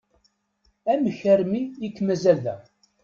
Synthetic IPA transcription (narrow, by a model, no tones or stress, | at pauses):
æməçæɾmiikːmæzælðæ